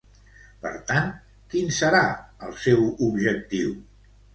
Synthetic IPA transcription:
pə̰ɾt̪ant̪ | kinsəɾaəlˠsɛwubʒək̚t̪iw

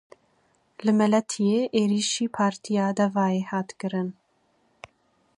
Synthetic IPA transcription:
lɨmɛlɛt̪ʰijeːʔeːɾiːʃiːpʰɑːɾt̪ʰijɑːd̪ɛvɑːjeːhɑːt̪kɨɾɨn

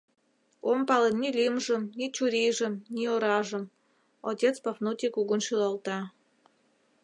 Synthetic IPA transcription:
ompɑlənnʲilʲimʒə̆mnʲit͡ɕuɾʲijʒə̆mnʲioɾɑʒə̆m | otʲet͡spɑfnut̪ʲikuɣunʃylɑlt̪ɑ

